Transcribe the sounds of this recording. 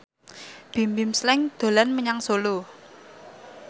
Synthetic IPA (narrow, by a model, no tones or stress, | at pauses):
b̥i̤mbɪmslɛŋd̪̥o̤lanməɲaŋsolu